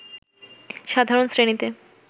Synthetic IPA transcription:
ʃad̪ʱaɾonsɾenit̪e

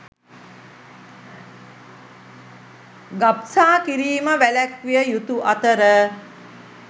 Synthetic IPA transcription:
ɡapsaːkiɾiːməʋælækʋijəjut̪uʔat̪əɾə

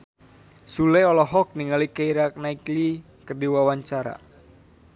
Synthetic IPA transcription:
sulɛɔlɔɦɔk̚niŋalikaiɾak̚naikli | kərdiwawaɲt͡ʃaɾa̰

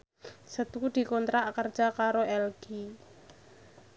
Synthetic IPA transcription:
sət̪ud̪̥i̤kɔnt̪ɾaʔkərd̥ʒ̥akaɾoʔɛlɡ̥i

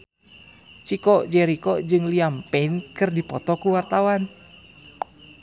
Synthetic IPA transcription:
t͡ʃikɔʔd͡ʒɛɾikɔd͡ʒɨŋliampɛnkɨrdipɔt̪ɔkuwart̪awan

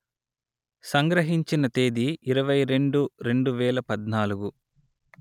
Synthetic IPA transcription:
sɐŋɡɾɐɦiɲt͡ʃinɐt̪eːd̪iːɾɐʋɐjɾe̞ɳɖuɾe̞ɳɖuʋɛːlɐpɐd̪naːluɡu

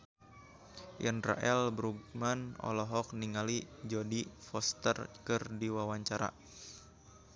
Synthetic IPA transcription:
janra̰ʔɛlbɾuɡmanɔ̰lɔɦɔk̚niŋalid͡ʒɔdifɔst̪ərkɨrdiwawaɲt͡ʃaɾa̰

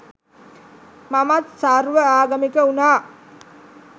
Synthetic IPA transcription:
mamat̪saɾʋəaːɡamikəunaː

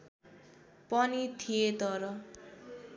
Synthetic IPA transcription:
pʌnit̪ʰiet̪ʌɾʌ

